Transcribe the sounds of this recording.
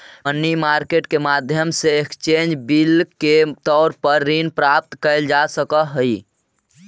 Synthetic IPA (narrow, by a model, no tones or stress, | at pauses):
ənːimaɾkeʈkemad̪ʱjəmseekt͡ʃend͡ʒbilket̪ɔːɾpəɾːinpɾap̚t̪kəɪld͡ʒasəkəɦəi